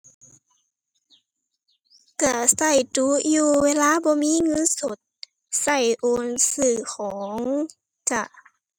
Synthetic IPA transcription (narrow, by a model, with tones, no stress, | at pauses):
ka˧˩sa˧˩jt̪u˧˦juː˧weː˧˨laː˧˥˨bɔː˧˦miː˧˥˨ŋɤ˧˥˨nso˨˩t̪̚ | sa˧˩jʔoː˧˨nsɯː˧˩kʰɔː˨˦ŋ | t͡ɕa˧˩